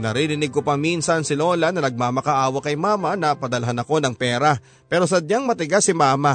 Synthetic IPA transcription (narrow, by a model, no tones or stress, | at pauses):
nɐɾiːɾɪnɪɡ̚kopɐŋminsɐnsɪloːlɐnɐnɐɡ̚maːmɐkaʔaːwɐkɐjmaːmɐnɐpɐd̪ɐlɐɦanɐko̞nɐŋpɛːɾɐ | pɛːɾos̬ɐd̪̚ɲaŋmɐt̪ɪɡasɪmaːma